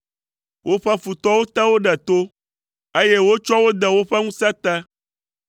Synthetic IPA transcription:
wʔo˦ɸɛ˦fu˨t̪ɔ˦wo˦t̪ɛ˦wo˦ɖɛ˨t̪o˦ | e˦je˦wo˦t͡ʃɔ˦wo˦d̪ɛ˨wo˦ɸɛ˦ŋũ˦sɛ˦t̪ɛ˦

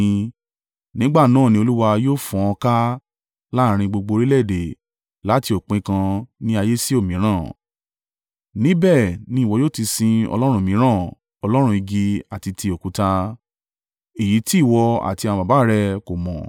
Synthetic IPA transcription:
nĩ˦ɡ͡ba˦˨nãː˦˨nĩ˧o˧lu˦wa˧joː˦fũ˨ɔ̃˧ka˦ | la˦˨˧ɾ̃ĩ˧ɡ͡bo˧ɡ͡bo˧ɾi˦lɛ˦˨de˨ | la˨˦ti˧o˨k͡pẽ˨˦kã˧nĩ˦a˧je˦si˦o˦˨mĩ˨˦ɾ̃ã˦˨ | nĩ˦bɛ˦˨nĩ˧˦˨wɔ˨˧joː˦˨ti˧sĩ˧ɔ̰˧lɔ˦ɾ̃ũ˦˨mĩ˨˦ɾ̃ã˦˨ | ɔ˧lɔ˦ɾ̃ũ˧i˧ɡi˧a˨ti˧tʰi˧o˨ku˨˦ta˧ | e˨ji˨˦ti˦˨wɔ˧a̰˨ti˧ã˧ba˨ba˨˦˨ɾɛ˧ko˨mɔ̰̃˨

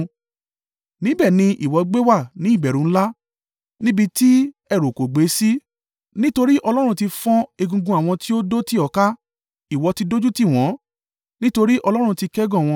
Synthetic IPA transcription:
nĩ˨˦bɛ˦˨nĩ˧ʔi˨wɔ˨˧ɡ͡be˦wa˦˨nĩ˨˦i˦˨bɛ˨ɾũ˨˦la˦ | nĩ˦bi˧ti˦ | ɛ˦˨ɾo˨ko˨ɡ͡be˨˦si˦ | nĩ˦to˧ɾi˦ʔɔ˧lɔ˦ɾ̃ũ˧ti˧fɔ̃˦e˧ɡũ˧ɡũ˧a˨w̃ɔ̃˧ti˦o˦do˦ti˦ɔ˨ka˦ | i˨wɔ˨˧ti˧do˦d͡ʒu˦ti˦˨w̃ɔ̃˨˦ | nĩ˦to˧ɾi˦ʔɔ˧lɔ˦ɾ̃ũ˧ti˧kɛ˦ɡɔ̃˦˨w̃ɔ̃˧

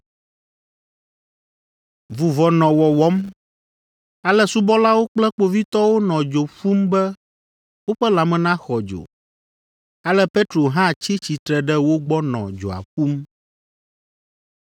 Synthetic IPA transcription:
vu˨vɔ˨nɔ̃˨wɔ˨wɔ˦m | a˨lɛ˦su˦bɔ˦la˦wo˦k͡plɛ˦k͡po˨vi˦t̪ɔ˦wo˦nɔ̃˨d͡ʒo˨ɸu˦mbɛ˦ | wo˦ɸɛ˦la˨mɛ̃˨nã˦xɔ˨d͡ʒo̰˨ | a˦lɛ˦pe˦t̪ɾo˨ɦã˦˨t͡ɕi˦t͡ɕi˨t̪ɾɛ˨ɖɛ˦wo˦ɡ͡bɔ˦nɔ̰̃˨d͡ʒo̰˨a̰˨ɸu˦m

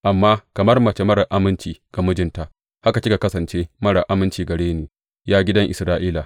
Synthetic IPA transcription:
ʔa˨mːaː˦kɐ˨mɐ˦rmɐ˨t͡ʃe˦mɐ˦ɾɐ˨ʔa˦mɪ˦nt͡ʃiː˨ɡ̥a˨mʊ˦d͡ʒɪ˦nta˨ʔ | ha˦ka˨ɪ˦ka˨kɐ˦sɐ˨nt͡ʃeː˦mɐ˦ɽɐ˨ʔa˦mɪ˦nt͡ʃiː˨ɡɐ˨ɽeː˦nuː˨ | jaː˦ɡʲɪ˦dɐ˦ŋʔɪ̰˨sɾaː˦ʔiː˦la˨

